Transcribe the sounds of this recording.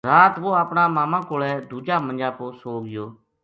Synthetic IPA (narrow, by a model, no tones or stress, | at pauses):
ɾaːt̪ʋoːaːpɳaːmaːmãːkoːlɛːd̪uːd͡ʒaːmənd͡ʒaːpoːsoːɡɪjoː